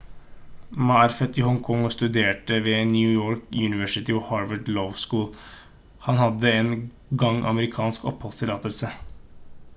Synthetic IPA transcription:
mɑæɾfɛt̪iːhɔŋkʰɔŋst̪ʉd̪eːʈəʋeːnjʉːjoːɹkʉnɪʋœʂɪt̪ɪɔhɑɹʋəɖlɔʋskuːl | hɑnhɑd̪ːəeːn | ɡɑŋʔɑ̰məɾɪkʰɑːnskɔ̰phɔlst̪ʰɪlɑːt̪əlsə

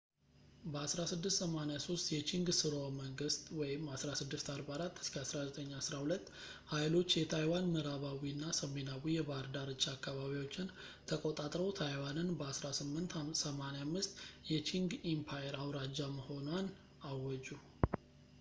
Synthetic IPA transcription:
bəasɾasɨd̪ːɨst̪səmanejaso̞st̪jɛt͡ʃiŋɡsɨɾoməŋɡɨst̪wɔjɪmasɾasɨd̪ːɨst̪aɾbaɾat̪ːɨ̥skʰəasɾazət̪ʼəɲːasɾahulət̪ː | hajlo̞t͡ʃːjɛt̪ʰajwanmɨɾaβawiɨnːasəme̞nawijɛβaɾd̪aɾɨt͡ʃʼːakʰːaβaβiwot͡ʃːɪn | t̪ʰəkʼot̪ʼat̪ʼɾəwt̪ʰajwanɨnbəasɾasɨmːɨnt̪səmaneamːɨst̪jɛt͡ʃʰiŋɡimpʰajɛɾawɾad͡ʒːaməho̞nwan | awːɔd͡ʒu

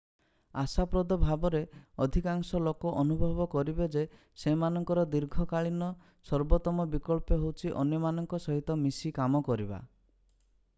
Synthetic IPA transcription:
asapɾɔd̪ɔbʱabɔɾeɔd̪ʱikaŋsɔlokɔʔɔnubʱɔbɔkɔɾibed͡ʒe | semanɔŋkɔɾɔd̪iɾɡʱɔkaɭinɔ | sɔɾbɔt̪ɔmɔbikɔɭpeɦowt͡ʃʰiʔɔnjɔmanɔŋkɔsɔɦit̪ɔmisikamɔkɔɾiba̰

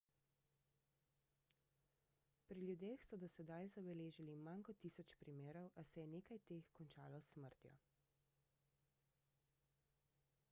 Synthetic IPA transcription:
pɾiljud̪eːxsɔd̪ɔsɛd̪ajzabɛleːʒilimankɔt̪ːiːsɔt͡ʃpɾimeːɾɔwʔasɛjɛneːkajt̪eːxkɔnt͡ʃaːlɔsməɾt̪jɔ̰

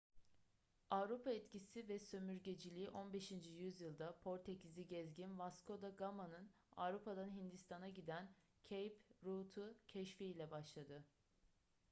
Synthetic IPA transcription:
avɾupʰaɛt̪cisivɛsø̞myɾɟe̞d͡ʒilʲiːʔo̞nbe̞ʃind͡ʒijyzjɯlˠd̪apʰo̞ɾt̪ʰeciziɟɛzɟinvaskʰo̞d̪aɡamanɯn | a̰vɾupad̪anɦind̪ist̪ʰanaɟid̪æn | cʰejpɾut̪ʰucʰɛʃfiilʲɛbaʃlˠad̪ɯ

